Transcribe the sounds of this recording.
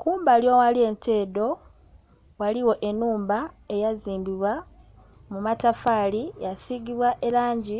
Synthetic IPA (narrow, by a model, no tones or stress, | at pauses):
kuːmbaljowalie̞ntʰeːdo̞ | waliwo̞ʔe̞nuːmbae̞jaziːmbiβwa | mumatafaːlijasiɡiβwaʔe̞laːɲɟi